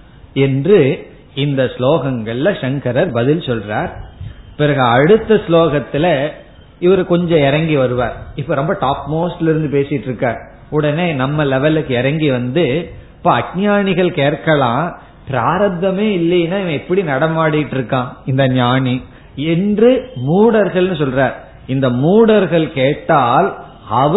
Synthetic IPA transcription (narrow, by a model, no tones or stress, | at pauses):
ɛndrɯ | ɪnd̪ɐsloːɣɐŋɡɐɭːɐʂɐŋkɐɾɐɾbɐðɪlsɔlraːɾpɪɾɐɣɐɐɽɯt̪ːɐsloːɣɐt̪ːɪlɐ | ɪʋɐɾɯkɔɲd͡ʒɔ̃ɛɾɐŋɡiʋɐɾɯʋaːɾɪpːoːɾɔmbɐʈaːpmoːsʈɪlɪɾɯnd̪ɯpeːsɪjɪʈːɪɾɯkːaːɾ | ʊɽɐneːnɐmːɐlɛʋɐlɯkːɯɛɾɐŋɡiʋɐnd̪ɯɪpːoːɐɡ̚ɲaːɳɪɣɐɭkeːrkɐlãː | pɪɾaːɾɐd̪ɐmeːɪlːɐjnaːɪʋɐ̃ɛpːɐɽinɐɽɐmaːɽɪjɪʈːɪɾɯkːãːɪnd̪ɐɲaːɳi | ɛndrɯmuːɽɐɾɣɐɭnɯsɔlɾaːɾ | ɪnd̪ɐmuːɽɐɾɣɐɭkeːʈːaːl | ɐʋ